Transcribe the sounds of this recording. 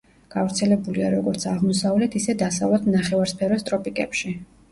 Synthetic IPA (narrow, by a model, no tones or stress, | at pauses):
ɡ̥avɾt̪sʰɛlɛbuliaɾɔɡɔɾt̪sʰaʁmɔsavlɛt̪ʰisɛd̪asavlɔt̪ʰnaχɛvaɾspʰɛɾɔst̪ʼɾɔpʼikʼɛpʃi